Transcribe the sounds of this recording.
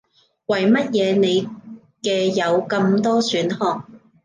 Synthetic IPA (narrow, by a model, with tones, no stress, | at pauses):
wɐ˨˩jmɐ˥t̚jɛː˨˧ne˨˧j | kɛː˧jɐ˨˧wkɐ˧mt̪ɔː˥syː˨˥nhɔː˨˧ŋ̚